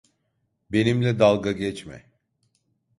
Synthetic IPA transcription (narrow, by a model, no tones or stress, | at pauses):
be̞nimlʲɛd̪alˠɡaɟɛt͡ʃmɛ̰